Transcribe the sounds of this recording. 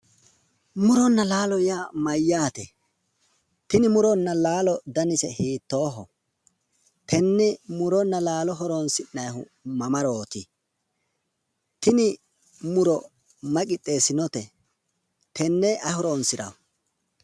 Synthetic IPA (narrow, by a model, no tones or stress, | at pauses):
mʊɾɔnːɐlaːlɔjamɐjːaːt̪ɛ | t̪ɪnɪmʊɾɔnːɐlaːlɔd̪ɐnɪsɛhiːt̪ːo̞ːɦɔ | t̪ʰɛnːɛmʊɾɔnːɐlaːlɔɦɔɾonsɪnːɐjɦʊ | mɐmɐɾoːt̪ɪ | t̪ɪnɪ | mʊɾɔ | mɐkʼɪt̪ʼːe̞ːsɪnɔt̪ɛ | t̪ʰɛnːɛʔɐhɔɾoːnsɪɾɐ̰w